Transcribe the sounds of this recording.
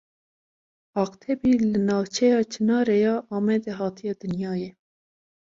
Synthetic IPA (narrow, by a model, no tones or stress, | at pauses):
ɑːqt̪ʰɛbiːlɨnɑːwt͡ʃʰɛjɑːt͡ʃʰɨnɑːɾɛjɑːʔɑːmɛd̪ɛɦɑːt̪ʰijɑːd̪ɨnjɑːjɛ